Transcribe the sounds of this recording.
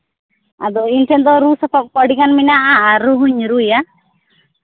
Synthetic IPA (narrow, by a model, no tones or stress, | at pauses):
a̰d̪ɔinʈʰɛnd̪ɔɾusɔpʰɔk̚pɔɽikanminaʔaːɾuɦuɲɾuja